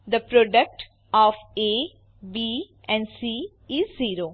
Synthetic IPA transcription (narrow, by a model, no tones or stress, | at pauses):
d̪əpɾɔːɖək̚ʈ | ɔːfeː | biː | ɛ̃ɳɖsiː | ɪzːiːɾoː